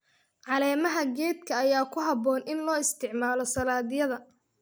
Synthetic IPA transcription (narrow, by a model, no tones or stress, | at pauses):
ʕɑlɛːmɐɦɐɡɛːd̪kʰɐːjaːkʰʊɦɐbɔːnɪnlɔːɪst̪ʰɪʕmaːlɔsɐlaːðɪjɐðɐ